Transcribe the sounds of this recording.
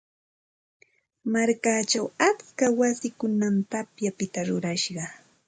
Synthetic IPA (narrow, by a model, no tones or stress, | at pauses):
maɾkaːt͡ʃawat͡skawasɪkʊnamt̪apjapɪt̪aɾʊɾaʃɢɑ